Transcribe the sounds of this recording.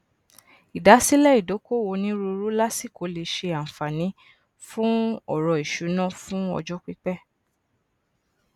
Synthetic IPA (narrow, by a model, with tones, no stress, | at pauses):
i˨da˨˦si˦lɛ˦i˦˨do˨˦ko˦˨wo˧nĩ˦ɾu˧ɾu˦la˦si˦˨ko˨˦le˧˨ʃe˧a˨fa˨nĩ˨˦ | fũ˦ɔ˦˨ɾɔ˧i˨ʃu˨˦nã˦˨fũ˦ɔ̰˧d͡ʒɔ˦k͡pi˦k͡pɛ˦˨